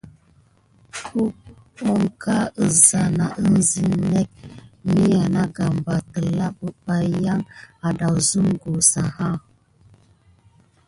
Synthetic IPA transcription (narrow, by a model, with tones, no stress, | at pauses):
ku˦ | o˨ŋka˦ə˨za˨na˨ʔə˦n˦zi˨nɛ˦k̚mi˦ja˨na˦ɡa˨mba˨tə˨la˦pə˨p̚a˨ja˦ŋa˨da˨wzu˦mɡo˨sa˨ha˦˨